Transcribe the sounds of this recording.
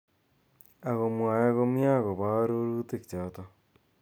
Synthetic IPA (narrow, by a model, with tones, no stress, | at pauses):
a˨ɣo˨mwa˨ja˦ɣo˦mja˦ɣo˨βa˦ɾo˦ɾuː˦te˦˨ki̥˨t͡ʃa˨˦tɔ˦